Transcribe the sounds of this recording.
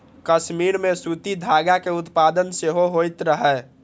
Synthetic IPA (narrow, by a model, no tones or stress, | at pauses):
kəsmiɾmesut̪id̪ʱaɡakeʊt̪pad̪ənseɦoɦojt̪ɾəɦɛ